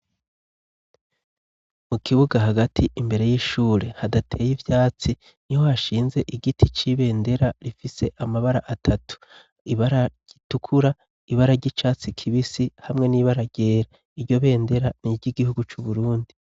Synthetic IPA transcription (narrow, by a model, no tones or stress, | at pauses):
mukʰiβuɡaɦaɡatʰiʔimbe̞ɾe̞jiʃuːɾe̞hadatʰe̞ːjivjaːt͡si | niho̞haʃiːnze̞ʔiɡitʰit͡ʃiβe̞ːnde̞ɾaɾifise̞ʔamaβaɾaʔatʰatu̥ | iβaɾaɟ̥itukʰuɾa | iβaɾaɟit͡ʃaːt͡sikʰiβisihamŋe̞niːβaɾaɟ̥e̞ːɾa | iɾɟo̞βe̞ːnde̞ɾaniɟiɡihuɡut͡ʃuβuɾuːndi